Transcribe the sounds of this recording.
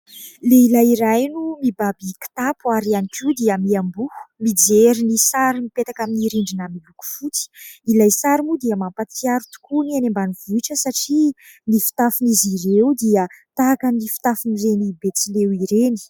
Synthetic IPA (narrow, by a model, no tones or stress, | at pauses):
leilajiɾajnumibabiki̥t̪apuaɾianikid̪iəmiambu̥mid͡zeɾinisaɾimipet̪akaminiɾiɳɖ͡ʐinəmiluku̥fut͡si̥ilajsaɾimud̪iəmampat̪iaɾut̪u̥kunianembaniv̥uiʈ͡ʂəsaʈ͡ʂi | nifi̥t̪afiniziɾewd̪iət̪akanifi̥t̪afiniɾenibet͡silewiɾeni̥